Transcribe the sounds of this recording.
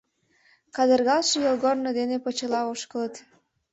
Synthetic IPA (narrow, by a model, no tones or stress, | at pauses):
kɑd̪ərɣɑlʃejolɣornod̪enepət͡ɕə̆lɑoʃkələt̪